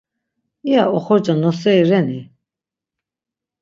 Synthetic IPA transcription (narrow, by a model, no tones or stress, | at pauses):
ia̰ɔχɔɾd͡ʒanɔsɛiɾɛni